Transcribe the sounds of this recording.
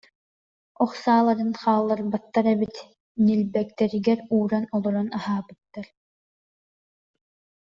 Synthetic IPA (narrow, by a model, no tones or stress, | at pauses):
ɔχsaːlˠaɾɯnχaːlˠːaɾbat̪ːaɾɛbit̪ | nilbɛk̚t̪ɛɾiɡɛɾuːɾanɔlˠɔɾɔnaɦaːbɯt̪ːaɾ